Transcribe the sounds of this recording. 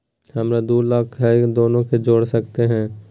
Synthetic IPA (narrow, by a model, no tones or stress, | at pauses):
hɐmɾad̪uːlaːkʰɦɛd̪oːnõked͡ʒoːɽsɐkt̪eɦɛ̃ː